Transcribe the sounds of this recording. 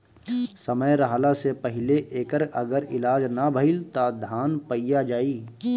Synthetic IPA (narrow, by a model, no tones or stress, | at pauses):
səməjɾɐɦaːlasepəɦɪleʔeːkəɾɐɡəɾɪlaːd͡ʒnabʱəɪlt̪ad̪ʱaːnpəijad͡ʒaːiː